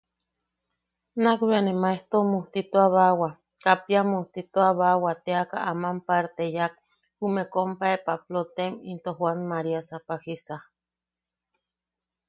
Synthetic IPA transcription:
nakβeanemaeht̪omuht̪it̪oaβawa | kapjamuht̪it̪oaβawat̪eaka̰ʔamampaɾt̪ejak̚ | humekompaepaplot̪emint̪ohwanmaɾiasapahisa

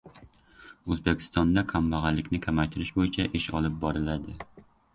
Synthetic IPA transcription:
ɵzbekʲʰɪ̥st̪ɒnd̪akʰamvaʁɑlɪkʲnɪkʲʰamajt̪ʰɪɾɪʃbojɪt͡ʃʰaʔɪʃɒlˠɪp̚bɒɾɪlad̪ɪ

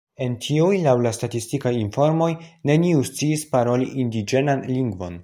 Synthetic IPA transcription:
e̞ntʰiujlawlastatistikajinfo̞ɾmo̞jne̞niust͡siːspaɾo̞liʔindid͡ʒe̞nanliŋɡvo̞̰n

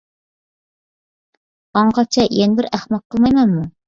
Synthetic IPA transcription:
ɑɴqɑt͡ʃʰɛjenɪbɪɾæχmɑq̚qʰːəlˠmɑjmɛnmu

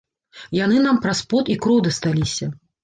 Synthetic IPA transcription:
janɨnampɾaspɔt̪ikɾɔwd̪ɐst̪alʲisʲɐ

